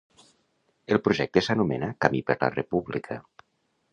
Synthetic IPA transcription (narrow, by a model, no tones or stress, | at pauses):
elˠpɾuʒɛk̚t̪esanumenakamipəɾla̰repuβlikʰa